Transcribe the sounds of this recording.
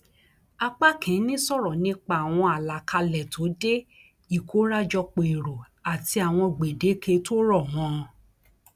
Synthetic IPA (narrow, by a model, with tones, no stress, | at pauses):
a˧k͡pa˦kɛ̃˨˦nĩ˦sɔ˦˨ɾɔ˨nĩ˨˦k͡pa˧˨w̃ɔ̃˧a˨la˨kʰa˧lɛ˨tʰo˨˦de˦ | i˦˨kʰo˨˦ɾa˦d͡ʒɔ˧k͡po˨i˨ɾo˨ | a˨ti˧a˨w̃ɔ̃˧ɡ͡be˨de˨˦kʰe˧to˦ɾɔ˦˨mɔ̃˦˧